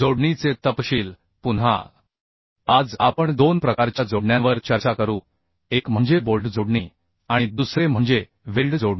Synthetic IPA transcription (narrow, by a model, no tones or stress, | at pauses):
d͡zoɽɳit͡set̪əpɕiːl | punɦa̰ | ad͡za̰pəɳd̪onpɾəkaɾt͡ɕjad͡zoɽɳjãʋəɾt͡ɕəɾt͡ɕakəɾuː | ekm̤əɳd͡zebolɖd͡zoɽɳi | aɽ̃id̪usɾem̤əɳd͡ze | ʋilɖd͡zoɽi